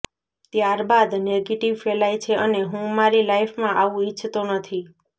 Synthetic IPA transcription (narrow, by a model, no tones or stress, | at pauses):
t̪jaɾbad̪neɡeʈiʋfelajt͡ʃʰeʔəneɦũmaɾilajfmãʔaʋũit͡ʃʰːt̪onət̪ʰi